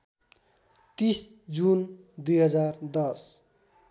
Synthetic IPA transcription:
t̪isd͡zun | d̪ujɦʌd͡zard̪ʌs

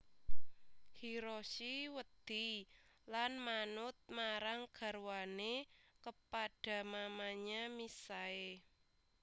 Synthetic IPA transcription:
hiɾosiwəd̪̥ilanmanʊt̪̚maɾaŋɡ̥a̤ɾwanekəpaɖ̥a̤mamaɲamisae

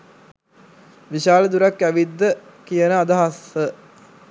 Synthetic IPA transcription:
ʋiʃaːləd̪uɾakːæʋid̪ːə | kijənəad̪aɦasə

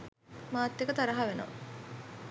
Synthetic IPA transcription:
maːt̪ːekət̪aɾɐɦaʋeno̰

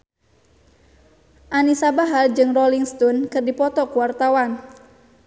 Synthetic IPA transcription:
ʔanisabaɦard͡ʒɨŋrɔliŋst̪ɔnkɨrdipɔt̪ɔkuwart̪awan

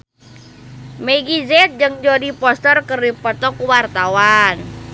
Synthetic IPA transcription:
mɛɡizɛt̪̚d͡ʒɨŋd͡ʒodipɔst̪ərkərdipɔt̪ɔkuwart̪awan

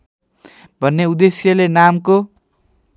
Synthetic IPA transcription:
bʱʌnːeud̪esjʌlenamko

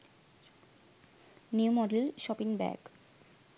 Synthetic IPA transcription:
niumɔɖelʃɔpiŋbɛ̰ɡ

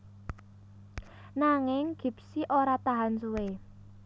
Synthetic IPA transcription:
naŋɪŋɡ̥i̤p̚siʔoɾat̪aɦansuwe

